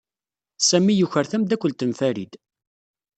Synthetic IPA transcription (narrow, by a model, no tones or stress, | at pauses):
sæmːijuçəɾθæmd̪ækʷːəlt̪ənfæɾḭd̪